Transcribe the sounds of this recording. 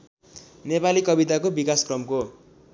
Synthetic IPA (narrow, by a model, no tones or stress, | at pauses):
nepalikʌbit̪akobikaskrʌmko